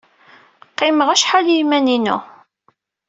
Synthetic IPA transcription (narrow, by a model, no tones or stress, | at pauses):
qːɪməʁæʃħaljimæninṵ